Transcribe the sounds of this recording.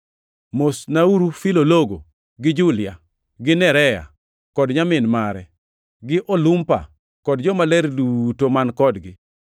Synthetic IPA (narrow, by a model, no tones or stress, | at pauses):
mosnauɾufiloloɡo̰ | ɡɪd͡ʒulɪa | ɡɪnɛɾɛja̰ | kɔdɲamɪnmaɾɛ | ɡɪʔɔlumpa̰ | kɔdd͡ʒɔmalɛɾdutomankɔdɡɪ